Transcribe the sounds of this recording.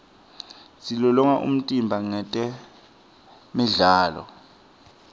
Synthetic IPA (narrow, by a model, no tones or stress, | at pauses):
silɔlɔŋaʔṵm̩tʼimbʱaŋ͡ǀɛtʼɛ | miɮaːlɔ̰